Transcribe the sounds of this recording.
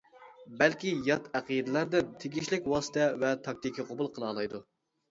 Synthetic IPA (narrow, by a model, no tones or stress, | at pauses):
bɛlkʲijɑt̪æqid̪ɨlˠɑɾd̪ɛn̚t̪ʰeɡʲiʃlɪkʲwɑːsə̥t̪ʰɛvɛt̪ʰɑk̚t̪ɪkʲʰːɪqʰobulˠqʰəlˠɑːlˠɑjd̪u